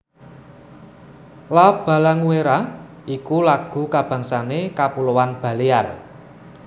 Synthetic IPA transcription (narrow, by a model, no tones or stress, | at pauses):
lab̥a̤laŋuweɾa | ikulaɡ̥ṳkab̥a̤ŋsanekapulowanb̥a̤liar